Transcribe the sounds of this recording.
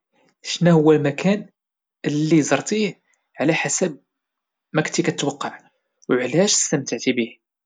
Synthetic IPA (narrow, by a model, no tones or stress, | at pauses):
ʃnæhʊwːælmækʰæn | əlːizɑɾˤt̪ˤih | ʕlæħasæb̚ | mæknt̪ikæt̪wɑqːɑʕ | wʕlæʃəst̪əmt̪əʕt̪ibih